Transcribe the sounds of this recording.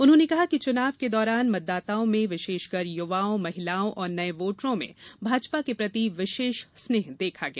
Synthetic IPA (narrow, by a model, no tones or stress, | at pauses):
ʊnɦõːnekɐɦakit͡ʃʊnaːʋked̪ɔːɾaːnmɐt̪̚ːaːt̪aːõmẽʋɪʃeːʃɡɐɾjʊʋaːõmɐɦɪlaːõʔɔːɾnɐẽʋoːʈɾõmḛ̃bʱaːd͡ʒpakepɾɐt̪iʋɪʃeːʃsneːɦd̪eːkʰaɡɐjaː